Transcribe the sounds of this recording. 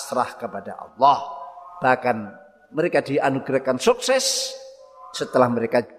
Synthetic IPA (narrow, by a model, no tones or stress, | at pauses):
t̪ɾahkəpada̰ʔɑ̰lːɑhb̥ahkan | məɾekadiʔanuɡɾakansuksɛs | sət̪əlahməɾeka